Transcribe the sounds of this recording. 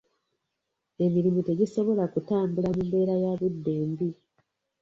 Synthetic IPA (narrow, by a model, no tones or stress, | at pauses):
e̞miɾimute̞ɟiso̞βo̞lakutaːmbulamumbe̞ːɾajaβidːe̞ːmbi